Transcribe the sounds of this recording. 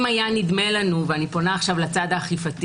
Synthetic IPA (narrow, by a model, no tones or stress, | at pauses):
majanid̪me̞lanuveanipo̞naːχʃavlat͡sad̪aχifat̪